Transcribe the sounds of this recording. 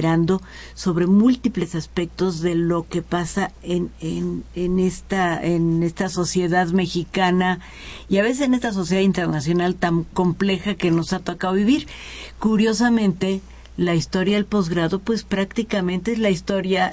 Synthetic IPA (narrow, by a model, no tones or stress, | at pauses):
ɾand̪o̞ | so̞βɾe̞mult̪iple̞saspe̞k̚t̪o̞zðe̞lo̞ke̞pasaenenenest̪aene̞st̪aso̞sje̞ðaðme̞xikana | iaβe̞sesenest̪as̬o̞s̬jeðaðint̪ernasjo̞nalt̪aŋko̞mple̞xake̞no̞sat̪okaðoβiβiɾ | kuɾjo̞s̬amẽ̞nt̪e̞ | laist̪o̞ɾjaðe̞lpo̞zɣɾaðo̞pwe̞spɾakt̪ikamẽ̞nt̪eezlaist̪o̞ɾja